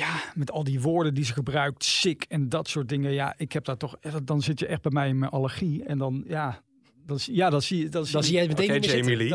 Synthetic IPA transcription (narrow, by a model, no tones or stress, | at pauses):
jaːmɛtɑlˠdiʋʊːɹdəndizəχəbrœɥk̚tsɪkɛndɑtsʊːɹt̚dɪŋəjaʔɪkɦɛp̚daːtɔχddɑnzɪtjəʔɛχd̚bɛjmɛjɪnmɛnʔaləɹχiɛndɑnjaː | dɑnzjaːdɑtziədɑnzzijɛmətejmili